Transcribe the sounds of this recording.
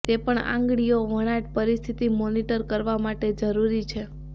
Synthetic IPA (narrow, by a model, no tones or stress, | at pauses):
t̪epəɳã̰ŋɡɭijoʋəɽ̃aʈpəɾist̪ʰit̪imoniʈəɾkəɾʋamaʈed͡ʒəɾuɾit͡ʃʰe